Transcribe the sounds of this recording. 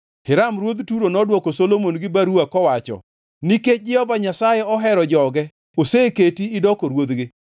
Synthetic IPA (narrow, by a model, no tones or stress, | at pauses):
hɪɾamɾwod̪tuɾonɔdwɔkosolomonɡɪbaɾuakɔwat͡ʃɔ̰ | niked͡ʒɪɔvaɲasajɛɔɦɛɾɔd͡ʒɔɡɛ | oseketiːdɔkoɾwod̪ɡɪ